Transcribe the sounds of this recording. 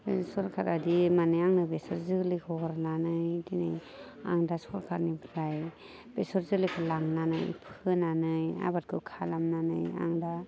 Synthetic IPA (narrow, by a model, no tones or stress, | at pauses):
sɔɾkʰaɾadimanɯjaŋnɯbesɔɾzɯlɯkʰɔɔɾnanɯjdinɯj | a̰ŋdasɔɾkʰaɾnipʰɾaj | besɔɾzɯlɯkʰɔlaŋnanɯjpʰɯnanɯja̰bat̚kʰɯkʰalamnanɯja̰ŋda